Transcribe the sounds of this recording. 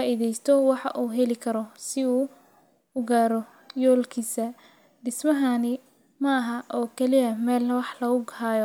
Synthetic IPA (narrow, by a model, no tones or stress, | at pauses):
aːʔiðɛjst̪ʰɔwɑħɑ̰ʔuːɦɛlɪkʰɐɾɔsɪuː | ʊɡaːɾɔ | jɔːlkʰiːsɐ | ɖɪsmɐɦanɪ | mɐːɦɐʔɔːkʰɛlɪɐmɛːlwɑħlɐɣʊɡhaːjɔ